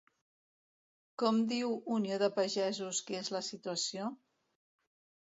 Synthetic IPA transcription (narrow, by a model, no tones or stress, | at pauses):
kɔmd̪iwunioðəpəʒɛzuskezləsit̪uəsio